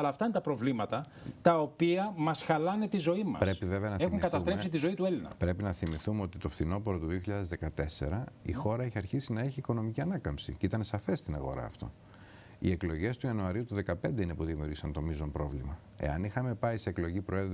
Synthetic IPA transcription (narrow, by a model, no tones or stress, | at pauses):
ɐlɐːft̪ɐinet̪ɐpɾo̞vlimɐt̪ɐ | t̪ɐopiɐmɐsxɐlɐnet̪izo̞imɐ̰pɾe̞piveveɐnɐθexuŋkɐt̪ɐsɾe̞sit̪̬izo̞it̪ue̞linɐ̰pɾe̞pinɐθimiθumeo̞t̪it̪ofθino̞poɾot̪uðioçiʎaðe̞zðe̞kɐt̪e̞se̞̰ɾɐixo̞ɾɐeçiɐɾçisinɐe̞çiːko̞nomiciɐnɐkɐmpsḭceit̪ɐnesɐfe̞sst̪inɐɣo̞̰ɾɐ̰ːft̪o̞̰ | ḭe̞klo̞ʝe̞st̪uiɐnuɐɾiut̪uðe̞kɐpe̞nd̪eine̞puðimiuɾʝisɐnt̪o̞mizo̞mpɾo̞vlimɐ | e̞̰ɐnixɐme̞pɐiseːklo̞ʝipɾo̞e̞ð